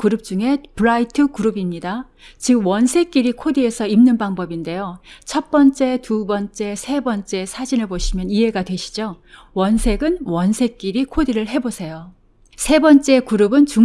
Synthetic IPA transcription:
kuɾɯp̚t͡ɕ͈uŋe̞pɯɾaitʰɯkuɾɯbimɲida | t͡ɕɯwʌnsʰe̞k͈iɾikʰodɯe̞sʰʌimnɯnbaŋbʌbinde̞jot͡ɕʰʌt̚p͈ʌnt͡ɕ͈e̞tubʌnt͡ɕ͈e̞sʰe̞bʌnt͡ɕ͈e̞sʰad͡ʑinɯɭbpoɕʰimjʌniɦe̞ɡadwe̞ɕʰi̥d͡ʑo | wʌnsʰe̞ɡɯnwʌnsʰe̞k͈iɾikʰodiɾɯɭɦe̞bosʰe̞jo | sʰe̞bʌnt͡ɕ͈e̞kuɾɯbɯnt͡ɕu

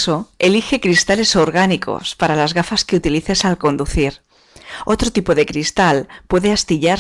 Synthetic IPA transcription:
so̞e̞lixe̞kɾist̪ale̞so̞ɾɣ̞aniko̞̰spaɾalazɣafaske̞ut̪iliθe̞salko̞nd̪uθiɾ | o̞t̪ɾot̪ipo̞ðe̞kɾist̪alpwe̞ðe̞ast̪iʎa

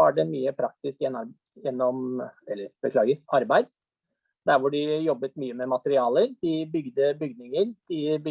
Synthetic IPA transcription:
ɑɖɛmyːəpʰɾɑk̚t̪ɪskjɛnːɾ | jɛnːɔmɛlːəɾb̥əkʰlɑːɡəɾɑɾbæɪd̪ | d̪æɾʋʊɖɪjɔbːət̪myːəmɛmɑt̪əɾɪɑːləɾd̪̥ɪbʏɡd̪əbʏɡnɪŋəɾd̪̥ɪb

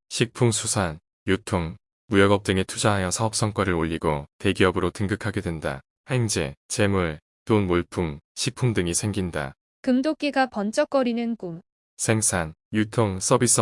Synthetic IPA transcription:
ɕʰik̚pʰuŋsʰusʰan | jutʰoŋ | mujʌɡʌp̚t͈ɯŋetʰud͡ʑaɦajʌsʰaʌp̚s͈ʌŋk͈ʌɾɯɾoʎːiɡote̞ɡiʌbɯɾotɯŋɡɯkʰaɡe̞dwe̞nda̰ | he̞ŋd͡ʑe̞̰t͡ɕe̞muɭ | tonmoɭpʰuŋɕʰik̚pʰuŋdɯŋisʰe̞ŋɡinda̰ | kɯmdok͈iɡapʌnt͡ɕ͈ʌk͈ʌɾinɯnkum | sʰe̞ŋsʰan | jutʰoŋs͈ʌbis͈ʌ

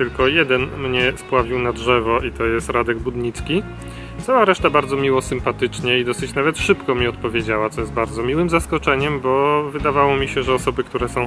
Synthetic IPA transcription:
t̪ɘlkɔjɛd̪ɛnmɲɛspwavʲiwnadʐɛvɔʔit̪ɔjɛst̪ɾad̪ɛɡbud̪ɲit̪skʲi | t̪sawaɾɛʂt̪abaɾd̪zɔmʲiwɔsɘmpat̪ɘt͡ʂɲɛid̪ɔsɘt͡ɕnavɛt̪ʂɘpkɔmʲiɔt̪̚pɔvʲjed͡ʑawat̪sɔjɛst̪baɾdzɔmʲiwɘmzaskɔt͡ʂɛɲɛmbɔvɘd̪avawɔmʲiɕɛʐɛɔsɔbɘkt̪uɾɛsɔ̃w̃

